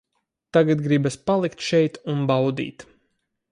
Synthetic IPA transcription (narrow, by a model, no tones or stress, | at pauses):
t̪aɡat̪ɡɾibaspalˠikt̪ʃɛjt̪unbawd̪ḭːt̪